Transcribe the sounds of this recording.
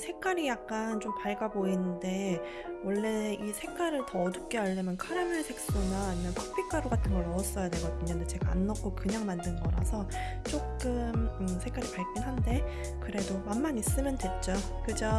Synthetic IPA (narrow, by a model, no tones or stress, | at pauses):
sʰe̞k͈aɾijak̚k͈ant͡ɕompaɭɡaboinɯnde̞ | wʌɭːe̞isʰe̞k͈aɾɯɭtʌːdɯp̚k͈eaɭːʌmjʌnkʰaɾamɯɭsʰe̞k̚s͈unainːanpʰo̥k̚pʰik͈aɾoɡatʰɯnɡʌɭnʌʌs͈ʌjadwe̞ɡʌdɯɲʌndet͡ɕe̞ɡaanːʌk͈ʰokɯɲaŋmandɯnɡʌɾa̰sʰʌt͡ɕ͈okk͈ɯmɯsʰe̞k͈aɾipaɭk͈ʰinɦande̞ | kɯɾe̞domanmaɲis͈ɯmjʌndwe̞t̚t͡ɕ͈o | kɯd͡ʑo